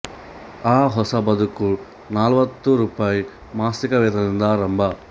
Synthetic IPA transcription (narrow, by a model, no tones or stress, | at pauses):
aːɦɔsɐbɐd̪uku | naːlʋɐt̪ːuɾuːpaːji | maːsikɐʋɛːd̪ɐnind̪ɐɾɐmbʱɐ